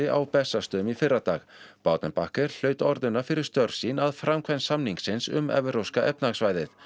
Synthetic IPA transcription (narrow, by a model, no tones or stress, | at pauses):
ɪʔa̰wpɛsːast̪ʏmifɪrːat̪aːɣ | pawt̪nɪnpahkɪɾ̥l̥œːɥt̪ɔɾðʏnafɪɾɪɾ̥st̪œɾ̥sinaðfɾamkʰvɛnsamniŋksɪnsʏ̰mɛ̰vʏɾowskaʔɛp̚naɣsvaːjðɪθ